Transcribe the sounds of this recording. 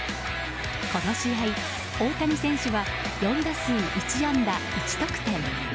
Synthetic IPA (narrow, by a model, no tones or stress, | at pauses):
ko̞noɕiɦai | o̞ːt̪aɲ̟isẽ̞ɰ̃ɕɨβa | jõ̞nd̪asɨːʔit͡ɕijãnd̪a | it͡ɕi̥t̪okɯ̥t̪ẽ̞ŋ